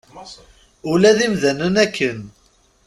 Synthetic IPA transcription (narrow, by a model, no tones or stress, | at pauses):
ulæðimðænənækʰːən